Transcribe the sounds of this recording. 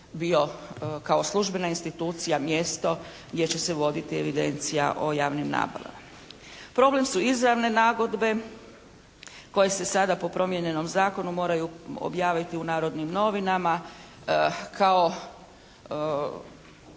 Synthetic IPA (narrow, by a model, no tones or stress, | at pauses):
bio̞kao̞slˠuʒbe̞nainst̪it̪uːt̪sijamje̞st̪o̞ | ɡd̪je̞t͡ɕe̞se̞ʋo̞d̪it̪ie̞ʋid̪e̞̰nt̪sija̰ʔojaːʋnimna̰ːba̰la̰ma | pɾo̞ble̞msuizɾaʋne̞naːɡo̞d̪be̞ | ko̞je̞se̞sad̪apo̞pɾo̞mje̞ɲe̞no̞mzaːko̞numo̞ːɾajuo̰bjaːʋit̪iunaːɾo̞d̪nimno̞ʋinama | kʰao̞